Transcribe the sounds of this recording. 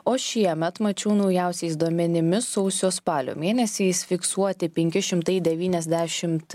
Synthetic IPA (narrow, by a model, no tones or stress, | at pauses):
oːʃʲiɛmʲɛt̪mɐt͡ʃʲɛʊnɐʊjæˑʊsʲɛɪs̬d̪uɔmʲɛnʲɪmʲɪsɔʊsʲoːspɑːlʲo̰ːmʲeːnʲɛsʲɛɪsfʲɪksuɔt̪ʲɪpʲɛŋʲkʲɪʃʲɪmt̪ɐɪd̪ʲɛʋʲiːnʲɛzʲd̪ʲæːʃʲɪmt̪